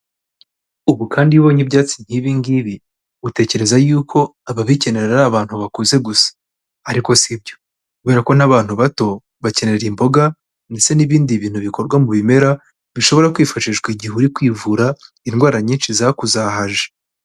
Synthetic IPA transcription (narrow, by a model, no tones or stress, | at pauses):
uβukʰaːndiuβoːɲibɟaːt͡siɲ̥hiβiŋɡiβi | ute̞ːce̞ɾe̞zajuːkʰo̞aβaβice̞ne̞ɾeɾaɾaβaːn̥huβakuze̞ɡusḁ | aɾiko̞sibɟo̞ | kuβe̞ɾako̞naβaːn̥huβato̞ | βace̞ne̞ɾimbo̞ɡa | nde̞t͡se̞niβiːndiβiːn̥huβiko̞ɾɡwamuβime̞ɾa | βiʃo̞βo̞ɾakwiːfaʃiʒɡwiɟihuɾikwiːvuɾa | inɡwaːɾaɲiːnʃizakuzaɦaʒe̥